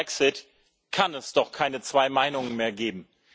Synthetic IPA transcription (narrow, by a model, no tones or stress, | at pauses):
ɛksɪt | kʰanɛsd̥ɔχkʰaɪnət͡sv̥aɪmaɪnʊŋənmeːɐɡeːbm̩